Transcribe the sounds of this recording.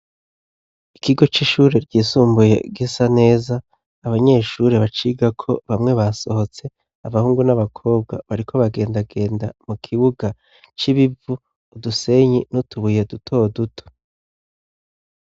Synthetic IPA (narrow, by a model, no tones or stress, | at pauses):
ikiɡo̞t͡ʃiʃuːɾe̞ɾɟiːsuːmbuje̞̰ɡisane̞ːzaː | βaɲe̞ːʃuɾe̞βat͡ʃiːɡakʰo̞βamŋe̞βaso̞ho̞t͡se̞ | aβahuːŋɡunaβakʰo̞ːbɡa̰βaɾikʰo̞βaɡe̞ːndaɡe̞ːndamukʰiβuɡa | t͡ʃiβivuː | duse̞ɲinutʰuβujedutʰo̞ːdutʰo̥